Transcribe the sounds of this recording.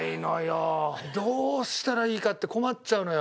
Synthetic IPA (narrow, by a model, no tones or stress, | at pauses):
inojod̪oːɕi̥t̪aɾaiːkat̪ːe̞ko̞matt͡ɕaɯ̟nojo